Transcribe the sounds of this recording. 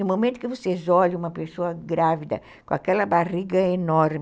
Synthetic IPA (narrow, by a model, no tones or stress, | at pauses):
ʊmomẽnt̪ʊkɪvosezɔʎ̃ũmɐpesoɐɡɾavid̪ɐ̰ | kõa̰kɛlɐbariɡɐenɔɾm